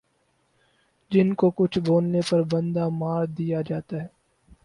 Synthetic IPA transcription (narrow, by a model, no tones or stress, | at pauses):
d͡ʒɪnkokʊt͡ʃʰboːnnepɐɾbɐ̃nd̪amaːɾd̪ijad͡ʒaːt̪aɦɛː